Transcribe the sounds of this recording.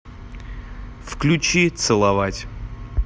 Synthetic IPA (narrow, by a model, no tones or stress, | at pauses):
fklʲʉt͡ɕit̪sɨlˠɐvatʲ